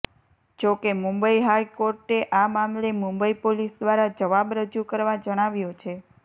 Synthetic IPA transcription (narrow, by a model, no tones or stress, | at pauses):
d͡ʒokemũmbəiɦajkoɾʈeʔamamlemũmbəipolisd̪ʋaɾad͡ʒəʋabɾəd͡ʒukəɾʋãd͡ʒəɽ̃aʋjot͡ʃʰe